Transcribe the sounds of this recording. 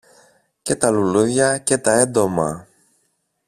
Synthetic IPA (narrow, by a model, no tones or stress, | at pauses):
ce̞t̪ɐluluðʝɐce̞t̪ɐe̞nd̪o̞mɐ̰